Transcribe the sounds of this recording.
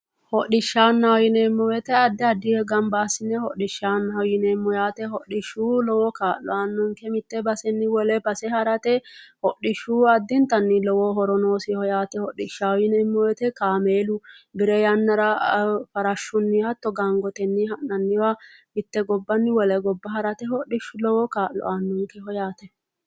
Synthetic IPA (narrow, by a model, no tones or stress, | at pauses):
hɔʔɪʃːaːnːɐjɪnɛmːɔwɛt̪ɛɐd̪ːɛɐd̪ːɪhɛɡɐmbaːsɪnːɛhɔɗɪʃːaːnːɐjɪnɛmːɔjaːt̪ɛhɔɗɪʃːuːlɔwɔkaːʔɔ̰ɐnːʊŋkɛmɪt̪ːɛbɐsɛnːɪwɔlɛbɐsɛhɐɾɐt̪ɛhɔɗɪʃːuːɐd̪ːɪnt̪ɐnːɪlɔwɔɦɔɾɔnoːsɪhɔjaːt̪ɛhɔɗɪʃajɪnɛmːɔjɛt̪ɛkaːmeːlʊbɪɾɛjɐnːɐɾɐfɐɾɐʃːʊnːɪhɐt̪ːɔɡaŋɡɔt̪ɛnːɪhɐnːɐnːɪwɐmɪt̪ːɛɡɔbːɐnːɪwɔlɛɡɔbːɐɦɐɾɐt̪ɛhɔɗɪʃʊlɔwɔkaːʔlɔ̰ʔanːʊŋkɛɦɔjaːt̪ɛ